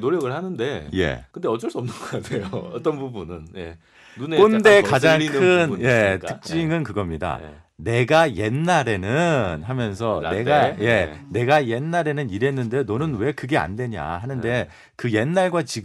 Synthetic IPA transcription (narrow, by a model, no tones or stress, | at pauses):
noɾjʌɡɯɭhanɯnde̞je̞̰kɯnde̞ʌt͡ɕ͈ʌɭs͈uʌmnɯnɡʌkasʰejoʌ̰t͈ʌnbubunɯnje | unekonde̞kad͡ʑaŋikɯnje̞tʰɯk̚t͡ɕt͡ɕ͈iŋɯnkɯɡʌmɲida̰ | ne̞ɡaje̞nːaɾe̞nɯnɦamjʌns̬ʰʌne̞ɡaje̞ne̞ɡajenːaɾe̞nɯniɾe̞nːɯndenʌnɯnwe̞kɯɡe̞a̰ndwe̞ɲa̰ɦanɯnde̞ | kɯje̞nːaɭɡwat͡ɕiɡ